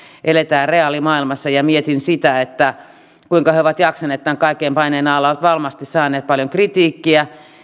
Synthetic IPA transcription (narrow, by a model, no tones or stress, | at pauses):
ʔelet̪æːreɑlimɑːilmɑsːɑjɑmiet̪insit̪æet̪ːæ | kuiŋkɑheoʋɑt̪jɑksɑneːt̪t̪ːæiŋkɑikːeimpɑineːnɑlːɑoʋɑt̪ʋɑlmɑst̪issɑːnˑeːt̪̚pɑljoŋkrit̪iːkːiæ